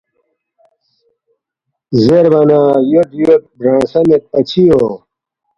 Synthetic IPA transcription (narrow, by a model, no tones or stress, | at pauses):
zeɾbɐnaːjoʈjoʈ̚bɾãːsɐmet̪̚pɐt͡ɕʰijo